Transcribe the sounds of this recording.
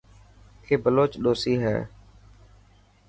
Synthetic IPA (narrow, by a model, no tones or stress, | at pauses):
kʰeːbəloːt͡ʃɗoːsiːɦɛ̰ː